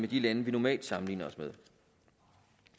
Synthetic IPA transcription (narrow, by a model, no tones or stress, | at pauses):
med̥ilænəʋinɒmɛ̰ːld̥sɑ̈mn̩ḭːnɐɒ̽smeð̞ˠ